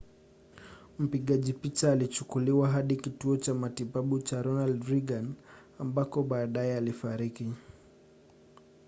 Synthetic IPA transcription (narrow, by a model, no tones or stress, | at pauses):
m̩piɠaʄipit͡ʃaːlit͡ʃukuliwaɦaɗikituɔt͡ʃamatiɓaɓut͡ʃaɾɔnaldɾiɡan | ambakɔɓaːɗaɛalifaɾiki